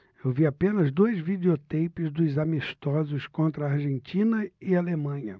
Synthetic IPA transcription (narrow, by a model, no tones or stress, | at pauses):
ewviapẽnɐzd̪ojzvid̪eot̪ejpɪzd̪ʊzamist̪ɔzʊskõnt̪ɾɐːɾʒẽnt͡ʃĩnɐɪalemɐ̃ɲɐ